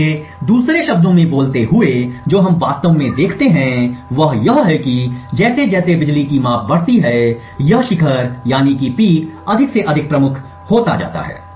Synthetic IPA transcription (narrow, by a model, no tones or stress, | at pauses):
ed̪uːsɾeʃɐb̚d̪õmẽboːlt̪eɦʊed͡ʒoːɦɐmʋaːst̪əʋmẽd̪eːkʰt̪eɦɛ̃ʋɐɦjɐɦɦɛkid͡ʒɛːsed͡ʒɛːsebɪd͡ʒlikimaːpʰbɐɽ̤t̪iɦɛ | jɐɦʃɪkʰəɾjaːnikipiːkɐd̪ʱɪkseʔɐd̪ʱɪk̚pɾɐmʊkʰ | hoːt̪a̰d͡ʒa̰ːt̪a̰ɦɛ̰ː